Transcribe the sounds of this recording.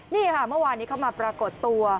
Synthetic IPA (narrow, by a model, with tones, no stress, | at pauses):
niː˥˩kʰa˥˩mɯ˥˩ə˨waː˧nːi˦˥kʰa˦˥˩wmaː˧pɾaː˧ko˨˩t̪ːu˧ɐ